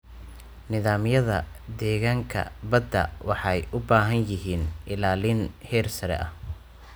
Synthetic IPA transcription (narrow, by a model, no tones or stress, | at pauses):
nɪðaːmjɐðɐ̰ | d̪ɛːɣaːŋkʰɐ̰bɐd̪ɐ̰wɑħɑjʔʊbaːɦɐnjɪɦiːnʔɪlaːlɪnhɛːrsɐɾɛ̰ʔɐh